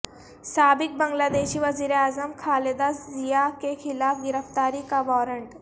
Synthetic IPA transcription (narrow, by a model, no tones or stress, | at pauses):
saːbik̚bəŋɡlaːd̪eːɕiːʋəziːɾeaːzəmkʰaːled̪aszijakexʰilaːfɡiɾəft̪aːɾikabɔːɾəɳʈ